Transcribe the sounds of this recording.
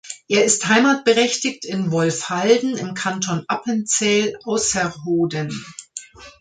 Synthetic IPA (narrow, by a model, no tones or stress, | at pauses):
ʔeːɐɪsthaɪmaːt̚b̥əʁɛçtɪktɪnvɔlfhaldn̩ɪmkʰantʰɔnʔapənt͡sɛlaʊsɛɦoːdən